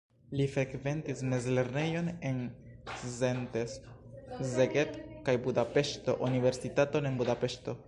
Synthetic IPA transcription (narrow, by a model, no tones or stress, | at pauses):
lifɾe̞kve̞ntisme̞zle̞ɾne̞jo̞ne̞n | szente̞s | zeɡetkajbudape̞ʃto̞ʔunive̞ɾsitato̞ne̞nbudape̞ʃto̞